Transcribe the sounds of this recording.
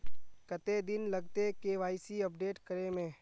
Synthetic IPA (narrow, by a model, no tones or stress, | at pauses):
kɐt̪ed̪ɪnlɐɡt̪ekeːʋaːɪsiɐp̚ɖeːʈkɐɾemẽː